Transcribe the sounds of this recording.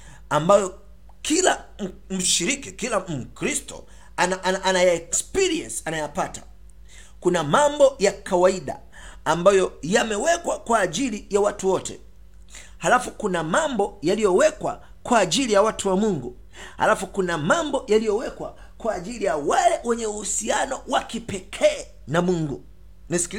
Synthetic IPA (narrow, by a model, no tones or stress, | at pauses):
ambajɔ | kilam̩ʃiɾikikilam̩kɾistɔ̰ | anaʔnʔanajaɛkspiɾiɛnsi̥anajapatḁ | kunamambɔjakawaiɗa̰ː | mbajɔjamɛwɛkwakwaːʄilijawatuwɔtʰɛ̰ | halafukunamambɔjalijɔwɛkwa̰ | kwaːʄilijawatuwamuŋɡu | ha̰lafukunamambɔjalijɔwɛkwa̰ | kwaːʄilijawalɛwɛɲɛuhusianɔwakipɛkʰɛː | namuŋɡu | nis